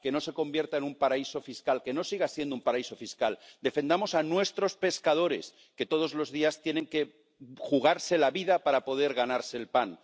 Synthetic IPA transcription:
ke̞no̞se̞ko̞mbje̞ɾt̪aenumpaɾaiso̞fiskalke̞no̞siɣ̞asje̞nd̪oumpaɾaiso̞fiskald̪e̞fe̞nd̪amosanwe̞st̪ɾo̞spe̞skað̞o̞ɾe̞s | ke̞t̪o̞ð̞o̞zlo̞zðiast̪je̞nẽ̞ŋke̞ | xuɣ̞aɾse̞laβiðapaɾapo̞ðe̞ɾɣanaɾse̞ːlpan

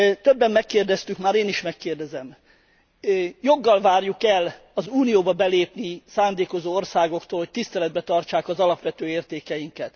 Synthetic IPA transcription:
t̪øbːɛmːɛkːeːrd̪ɛst̪ykmaːɾeːniʃmɛkːeːrd̪ɛzɛm | jo̞ɡːɒlvaːrjukɛl | ɒzuːnijoːbɒbɛleːpnisaːnd̪eːko̞zoːo̞rsaːɡo̞kt̪oːlhoc̚ʲt̪ist̪ɛlɛd̪̚bɛt̪ɒrt͡ʃaːkɒzɒlɒpʋɛt̪øːeːrt̪eːkɛjiŋkɛt̪

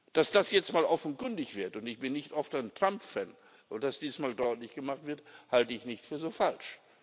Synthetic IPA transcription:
d̥asd̥asjɛt͡stmaːlʔɔfn̩kʏndɪçv̥ɪɐtʊntɪçb̥ɪnːɪçtʔɔftaɪntʁ̥ampfɛn | ʔod̥asd̥iːzsmaːldɔʏtlɪçɡ̥əmaχtv̥ɪɐthaltəɪçnɪçtfyːɐzoːfalʃ

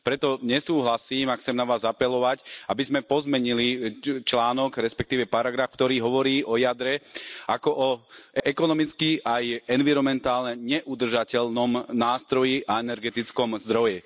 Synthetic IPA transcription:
pɾɛt̪ɔɲɛsuːɦlasiːmaxt͡sɛmnaʋaːzapɛlɔʋacabizmɛpɔzmɛɲilit͡ʃlaːnɔɡɾɛspɛkt̪iːʋɛpaɾaɡɾaːfkt̪ɔɾiːɦɔʋɔɾiːʔɔjad̪ɾɛakɔʔɔɛkɔnɔmit͡skiʔajɛnʋiɾɔmɛnt̪aːlnɛɲɛʔud̪r̩ʒacɛlnɔmnaːst̪ɾɔjiʔaɛnɛɾɡɛt̪it͡skɔmzd̪ɾɔjɛ

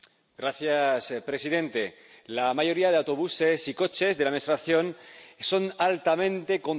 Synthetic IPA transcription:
ɡɾaθjaspɾe̞siðẽ̞nt̪e̞ | lamaʝo̞ɾiað̞eawt̪o̞β̞use̞siko̞t͡ʃe̞zðeamest̪ɾaθjo̞nso̞nalt̪amẽ̞nt̪e̞ko̞n

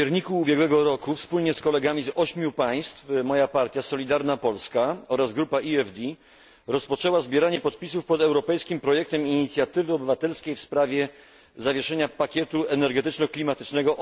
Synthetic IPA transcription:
ɛɾɲikuːbʲjɛɡwɛɡɔɾɔkufspulɲɛskɔlɛɡamʲizɔɕmʲjupaj̃st̪fmɔjapaɾt̪ʲjasɔlʲid̪aɾnapɔlskaɔɾazɡɾupaʔiɛvd̪ʲi | ɾɔspɔt͡ʂɛwazbʲjɛɾaɲɛpɔt̪pʲisufpɔd̪ɛwɾɔpɛjskʲimpɾɔjɛk̚t̪ɛmiɲit̪sʲjat̪ɘvɘɔbɘvat̪ɛlskʲejfspɾavʲjɛ | zavʲjɛʂɛɲapakʲjɛt̪uɛnɛɾɡɛt̪ɘt͡ʂnɔklʲimat̪ɘt͡ʂnɛɡɔ

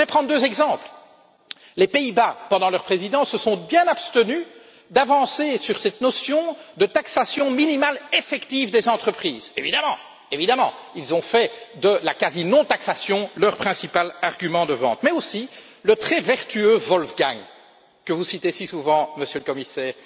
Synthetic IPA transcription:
əvɛpχɑ̃d̪ʁd̪øzɛɡzɑ̃pl | lepeibapɑ̃d̪ɑ̃lœʁpχezid̪ɑ̃səsɔ̃bjɛ̃napst̪əny | d̪avɑ̃sesyʁsɛt̪nɔsjɔ̃d̪ət̪aksasjɔ̃minimalefɛkt̪ivd̪ezɑ̃t̪χəpχiːzevid̪amɑ̰̃ | evid̪amɑ̰̃ilzɔ̃fɛd̪əlakazinɔ̃t̪aksasjɔ̃lœʁpχɛ̃sipalaʁɡymɑ̃d̪əvɑ̰̃t̪mɛosi | lət̪χɛvɛʁt̪yøvɔlfɡaŋ | kəvusit̪esisuvɑ̃məsjøləkɔmisɛːʁ

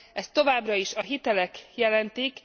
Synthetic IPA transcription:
ɛst̪o̞vaːbrɒiʃɒɦit̪ɛlɛkjɛlɛnt̪ik

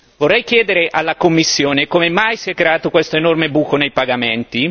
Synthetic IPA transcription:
vorːɛjkjɛːd̪eɾeʔalːakomːisːjoːnekomemajsiɛkːɾeaːt̪okwest̪oenormebuːkonejpaɡament̪i

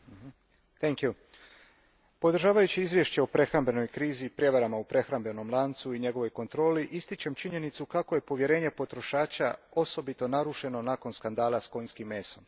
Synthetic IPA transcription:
t̪ɛŋkju | po̞d̪ɾ̩ʒaːʋajut͡ɕiizʋje̞ʃt͡ɕeopɾe̞xɾambe̞no̞jkɾiːzipɾje̞ʋaɾamaupɾe̞xɾambe̞no̞mlˠaːnt̪suiɲe̞ɡo̞ʋo̞jko̞nt̪ɾo̞ːliʔist̪it͡ɕe̞mt͡ʃiɲe̞nit̪sukako̞je̞po̞ʋje̞ɾe̞ːɲe̞po̞t̪ɾo̞ʃaːt͡ɕao̞so̞bit̪o̞naɾuʃe̞no̞nako̞nskand̪aːlˠasko̞jnskimːe̞ːsom

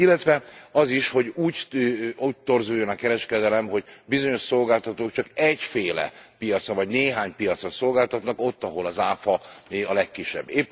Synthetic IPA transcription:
ilːɛt̪ʋɛɒziʃho̞ɟuːɟuːɟ̚t̪o̞rzuːjːo̞nɒkɛɾɛʃkɛd̪ɛlɛmɦo̞ɟbizo̞ɲo̞ʃso̞lɡaːlt̪ɒt̪oːkt͡ʃɒkɛɟfeːlɛ̰pijɒt̪sɒvɒɟneːɦaːɲpijɒt̪soso̞lɡaːlt̪ɒt̪nɒko̞t̪ːɒɦo̞lɒzaːfɒiɒlɛkːiʃːɛ̰bːeːpː

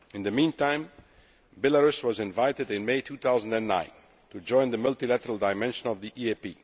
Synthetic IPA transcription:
ɨ̃nðɨmĩntãɪ̃m | bɪləɹʉswʌzɪ̃nvaɪɾɨdɪ̃nmeɪtʰuθaʊzə̃n̩dæ̃nːã̰ɪ̃n | tud͡ʒɔ̃ɪ̃nðəmʌlˠtilætə˞əlˠdaɪmɛ̃nʃə̃nʌvðiʔiepḭ

